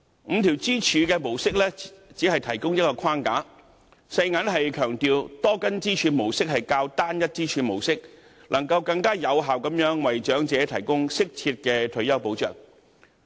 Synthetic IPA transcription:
m̩˨˧t̪ʰiː˨˩wt͡siː˥t͡ʃʰyː˨˧kɛː˧mo˨˩wsɪ˥k̚lɛ˥t͡siː˨˥hɐ˨jt̪ʰɐ˨˩jkʊ˥ŋjɐ˥t̚kɔː˧kʰaː˥nkaː˨˥ | sɐ˧jŋaː˨˥nɦɐ˨jkʰœː˨˩ŋt̪iː˨wt̪ɔː˥kɐ˥nt͡siː˥t͡ʃʰyː˨˧mo˨˩wsɪ˥k̚hɐ˨jkaː˧wt̪aː˥njɐ˥t̚t͡siː˥t͡ʃʰyː˨˧mo˨˩wsɪ˥k̚ | lʔɐ˨˩ŋkɐ˧wkɐ˧ŋkaː˥jɐ˨˧wɦaː˨wkɐ˨˥mjœː˨˥ŋwɐ˨jt͡ʃœː˨˥ŋt͡sɛː˨˥t̪ʰɐ˨˩jkʊ˥ŋsɪ˥k̚t͡sʰiː˧t̚kɛː˧t̪ʰɵ˨˧ɥjɐ˥wpo˨˥wt͡ʃœː˨˩ŋ

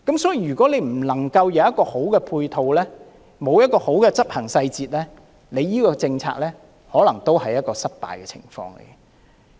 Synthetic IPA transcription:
kɐ˨˥msɔː˨˥jiː˧jyː˨˩kʷɔː˨˥le˨˧jm̩˨˩lɐ˨˩ŋkɐ˧wjɐ˨˧wjɐ˥t̚kɔː˧ho˨˥wkɛː˧pʰuː˧jt̪ʰo˧wlɛː˥ | mo˨˧wjɐ˥t̚kːɔː˧ho˨˥wkɛː˧t͡sɐ˥p̚hɐ˨˩ŋsɐ˧jt͡siː˨t̚lɛː˥ | le˨˧jːiː˥kɔː˧t͡sɪ˧ŋt͡sʰa̰ː˧k̚lɛː˥ | hɔː˨˥lɐ˨˩ŋt̪o˥whɐ˨jːɐ˥t̚kɔː˧sɐ˥t̚pa̰ː˨jkɛː˧t͡sʰɪ̰˨˩ŋfɔ̰ː˧ŋlḛ˨˩jɡɛ˧

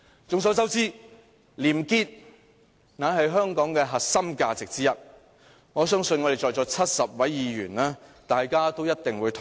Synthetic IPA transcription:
t͡sʊ˨ŋs̬ɔ˨˥t͡sɐ˥wt͡siː˥ | liː˨˩mkiː˧t̚ | naː˨˥ɦɐ˨jɦœː˥ŋkɔː˨˥ŋkɛː˧ɦɐ˨t̚sɐ˥mkaː˧t͡sɪ˨k̚t͡siː˥jɐ˥t̚ | ŋɔː˨˧sœː˥ŋsɵ˧nŋɔ˨˧ɾe˨˩jt͡ʃɔː˨jt͡sɔː˧t͡sʰɐ˥t̚sɐ˨p̚wɐ˨˥jːiː˨˧ɥyː˨˩naː˥t̪aː˨jkaː˥t̪o˥wjɐ˥t̚t̪ɪ˨ŋwuː˨˧jt̪ʰʊ˨

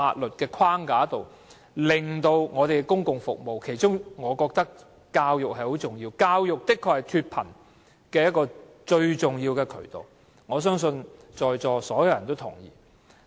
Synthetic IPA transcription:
aː˧t̚lɵ˨t̚kɛː˧kʰwaː˥ŋkaː˨˧˥t̪o˨w | lɪ˨˩ŋt̪o˧wŋɔː˨˧t̪e˨jkɛ˧˥kʊ˥ŋkʊ˨ŋfʊ˨k̚mo˨wkʰe˨˩jt͡ʃʊ˥ŋŋɔː˨˧kɔː˧k̚t̪ɐ˥k | kaː˧wjʊ˨k̚hɐ˨jho˨˥wt͡sʊ˨˩ŋjiː˧wkaː˧wjʊ˨k̚t̪ɪ˥kʰːɔː˧k̚hɐ˨˩jt̪ʰyː˧t̚pʰɐ̰˨˩n | kɛː˧jɐ˥t̚kːɔː˧ | t͡ʃɵ˧ɥt͡sʊ˨ŋjiː˧wkɛː˧kʰɵ̰˨˩ɥt̪o̰˨w | ŋɔː˨˧s̬œː˥ŋsɵ˧nt͡ʃɔː˨jt͡sɔː˨sɔː˨˥jɐ˨˧wjɐ˨˩nt̪o˥wt̪ʰʊ̰˨˩ŋjḭː˨˩

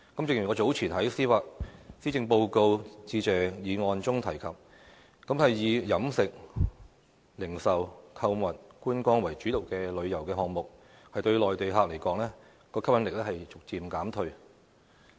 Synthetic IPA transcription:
kɐ˨˥mt͡sɪ˧ŋjy˨˩kɔː˨˧t͡so˨˥wt͡sʰiː˨˩nɦɐ˨˥jsiː˥faː˧˥k̚siː˥t͡sɪ˧ŋpo˧wko˧wt͡siː˧t͡sɛː˨jiː˨˧ŋɔː˧nt͡sʊ˥ŋt̪ʰɐ˨˩jkʰɐ˨p̚ | kɐ˨˥mhɐ˨jːiː˨˧jɐ˨˥msɪ˨k̚ | lɪ˨˩ŋsɐ˨wkʰɐ˧wmɐ˨t̚kuː˥nkɔː˥ŋwɐ˨˩jt͡ʃy˨˥lo˨˩wkɛː˧lɵ˨˧ɥjɐ˨˩wkɛː˧ɦɔː˨ŋ̚mʊ˨k̚ | hɐ˨jt̪ɵ˧ɥlɔː˨jt̪e˨jɦaː˨˧k̚le˨˩jkɔː˨˧˥ŋlɛː˥ | kɔː˧kʰɐ˥p̚jɐ˨˥nlɪ˨k̚lɛ˥hɐ˨jt͡sʊ˨k̚t͡siː˨mkaː˨˥mt̪ʰɵ˧ɥ

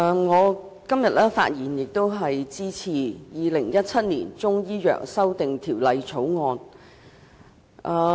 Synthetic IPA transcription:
ŋɔː˨˧ | kɐ˥mjɐ˨t̚lɛː˥fa̰ː˧t̚jiː˨˩njɪ˨k̚t̪o˥wɦɐ˨jt͡siː˥t͡sʰiː˨˩jiː˨˧lɪ˨˩ŋjɐ˥t̚t͡sʰɐ˥t̚nḭː˨˩nt͡sʊ˥ŋjiː˥jœ̰ː˨˩k̚sɐ˥wt̪ɪ˨ŋt̪ʰiː˨˩wlɐ˧jt͡sʰo˨˥wŋɔː˧n | ʔɐː˧

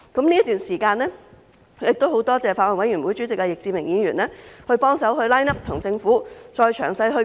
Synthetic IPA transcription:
kɐ˨˥mniː˥t̪yː˨˩nsiː˨˩kaː˧nlɛː˥ | jɪ˨k̚t̪o˥who˨˥wt̪ɔː˥t͡sɛː˨˩faː˧t̚wɐ˨˩nwɐ˨˥jy˨˩nwuː˨˥jt͡ʃy˨˥t͡sɪ˨k̚ːɛ˧jɪ˨k̚t͡siː˧mɪ˨˩ŋjiː˨˧˥nɥyː˨˩nlɛː˥hɵ˧ɥpɔː˥ŋsɐ˨˥wɦɵ˧ɥlaː˥jnɐ˥p̚t̪ʰʊ˨˩ŋt͡sɪ˧ŋfuː˨˥t͡ʃɔː˧jt͡ʃʰœ̰ː˨˩ŋsɐ˧jɦɵ˧

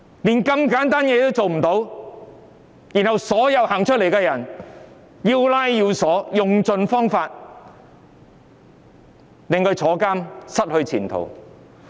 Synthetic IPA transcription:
liː˨˩nkɐ˧mkaː˨˥nt̪aː˥njɛː˨˧t̪o˥wt͡so˨wm̩˨˩t̪o˨˥w | ji˨˩nhɐ˨wsɔː˨˥jɐ˨˧whaː˨˩ŋt͡ʃʰɵ˥t̚le˨˩jkɛː˧jɐ˨˩n | jiː˧wlaː˥jjiː˧wsɔː˨˥jʊ˨ŋt͡sɵ˨˧nfɔː˥ŋfaː˧t̚ | lɪ˨˧ŋkɵ˧ɥt͡sʰɔː˨˥kaː˥msɐ˥t̚hɵ˧ɥt͡sʰiː˨˩nt̪ʰo̰˨˩w

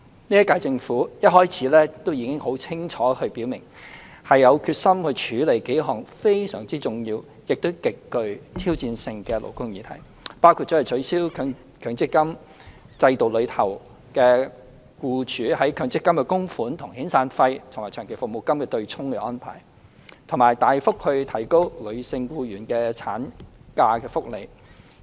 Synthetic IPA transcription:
niː˥jɐ˥kaː˧jt͡sɪ˧ŋfuː˨˥jɐ˥t̚hɔː˥jt͡sʰiː˨˥lɛː˥t̪o˥wjiː˨˧˥kɪ˥ŋho˨˥wt͡sʰɪ˥ŋt͡ʃʰɔː˨˥hɵ˧ɥpi˨˥wmɪ˨˩ŋhɐ˨jːɐ˨˧wkʰyː˧t̚sɐ˥mhɵ˧t͡ʃʰyː˨˧le˨˩jke˨˥jɦɔː˨˩ŋfe˥jsœ̰ː˨˩ŋt͡siː˥t͡sʊ˨ŋjiː˧w | jɪ˨k̚t̪o˥wkɪ˨kːɵ˧ɥt̪ʰiː˥wt͡siː˧nsɪ˧ŋkɛː˧lo̰˨˩wkʊ˥ŋjiː˨˧t̪ʰɐ̰˨˩j | paː˥wkʰuː˧t̚t͡sɔː˨˥˨t͡ʃʰɵ˨˥ɥsiː˥wkʰː | kʰœː˨˥ŋt͡sɪ˥kːɐ˥m | t͡sɐ˧jt̪o˨wlɵ˨˧ɥt̪ʰɐ˨˩w | kɛː˧ | kuː˧t͡ʃʰyː˨˥hɐ˨˥jkʰœː˨˥ŋt͡sɪ˥kːɐ˥mkɛ˧kʊ˥ŋfuː˨˥nt̪ʰʊ˨˩ŋhiː˨˥nsaː˧nfɐ˧jt̪ʰʊ˨˩maː˨˩t͡ʃʰœː˨˩ke˨˩fʊ˨k̚mo˨˩wkɐ˥mkɛː˧t̪ɵ˧ɥt͡sʰʊ˥ŋkɛː˧ʔɔː˥npʰa̰ː˨˩j | t̪ʰʊ˨˩ŋmaː˨˩jt̪aː˨jfʊ˥k̚hɵ˧ɥt̪ʰɐ˨˩jko˥wlɵ˨˧ɥsɪ˧ŋkuː˧ɥyː˨˩nkɛː˧t͡sʰaː˨˥nkaː˧kɛː˧fʊ˥k̚le˨˧j

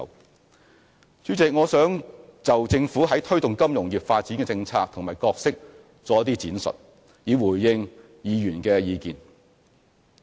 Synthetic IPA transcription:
t͡syː˨˥t͡sɪ˨k̚ŋɔː˨˧sœː˨˥ŋt͡sɐ˨wt͡sɪ˧ŋfuː˨˥ɦɐ˨˥jt̪ʰɵ˥ɥt̪ʊ˨ŋkɐ˥mjʊ˨˩ŋjyː˨˩p̚faː˧t̚t͡siː˨˥nkɛː˧t͡sɪ˧ŋt͡sʰaː˧k̚t̪ʰʊ˨˩ŋmaː˨˩jkɔː˧k̚sɪ˥k̚ | t͡sɔː˨˥ɐ˥t̪i˥t͡siː˨˥nsɵ̰˨t̚ | jiː˨˧wuː˨˩jːɪ˧ŋ | jiː˨˧jyː˨˩nkɛː˧jiː˨˧kiː˨n

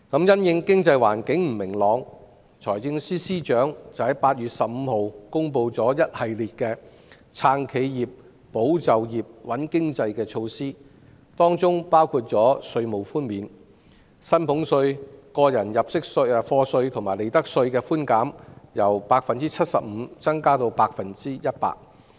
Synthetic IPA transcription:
kɐ˨˥mjɐ˥njɪ˧ŋkɪ˥ŋt͡sɐ˧jwa̰ː˨˩nkɪ˨˥ŋm̩˨˩mɪ˨˩ŋlɔː˨˧ŋ | t͡sʰɔː˨˩jt͡sɪ˧ŋsiː˥siː˥t͡ʃœː˨˥ŋt͡sɐ˨˩whɐ˨˥jpaː˧t̚jyː˨t̚sɐ˨p̚m̩ː˨˧ho˨wkʊ˥ŋpo˧wt͡sɔː˨˥jɐ˥t̚hɐ˨jliː˨t̚kɛː˧ | t͡sʰaː˧ŋkʰe˨˧jjiː˨˩p̚ː | o˨˥wt͡sɐ˨wjiː˨˩p̚wɐ˨˥nkɪ˥ŋt͡sɐ˧jkɛː˧t͡ʃʰo˧wsiː˥ | t̪ɔː˥ŋt͡sʊ˥ŋpaː˥wkʰuː˧t̚t͡sɔː˨˥sɵ˧ɥmo˨˩wfuː˥nmiː˨˧n | sɐ˥npʰʊ˨˥ŋsɵ˧ɥkɔː˧jɐ˨˩njɐ˨p̚sɪ˥k̚sɵ˧˨fɔː˧sɵ˧ɥt̪ʰʊ˨˩ŋmaː˨˩le˨jt̪ɐ˥k̚sɵ˧ɥkɛː˧fuː˥nkaː˨˥mjɐ˨˩wpaː˧k̚fɐ˨nt͡siː˥t͡sʰɐ˥t̚sɐ˨p̚m̩ː˨˧t͡sɐ˥ŋkaː˥t̪o˧wpaː˧k̚fɐ˨nt͡siː˥jɐ˥t̚pa̰ː˧t̚

